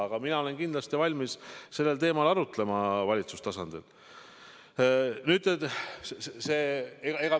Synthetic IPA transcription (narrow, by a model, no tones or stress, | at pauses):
ɑɡ̥ɑminɑo̞le̞nkind̪lɑst̪ivɑlʲmisse̞lːe̞lt̪e̞ːmɑlɑɾut̪le̞mɑvɑlʲit̪sust̪ɑsɑnd̪̥il | nyːd̪et̪sseseeɡɑeɡ̥ɑ